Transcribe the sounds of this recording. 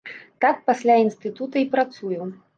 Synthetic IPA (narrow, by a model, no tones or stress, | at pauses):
t̪ak̚pasʲlʲainst̪ɨt̪ut̪ɐipɾat̪suju